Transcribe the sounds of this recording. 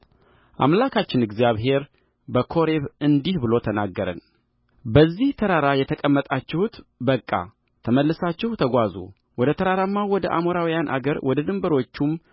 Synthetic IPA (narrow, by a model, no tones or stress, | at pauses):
ʔa̰mlakʰat͡ʃːɪnɨɡzjaβɦe̞ɾ | bəkʰo̞ɾe̞βɨnd̪ihbɨlo̞t̪ʰənaɡːəɾə̰n | bəzːiht̪ʰəɾaɾajɛt̪ʰəkʼəmːət̪ʼat͡ʃːɛhut̪bəkʼːa̰ | t̪ʰəməlːɨsat͡ʃːɛhut̪ʰəɡʷazṵ | wɔd̪ət̪ʰəɾaɾamːawɔd̪əʔa̰moɾawijanʔa̰ɡəɾwɔd̪əd̪ɨmbəɾo̞t͡ʃːum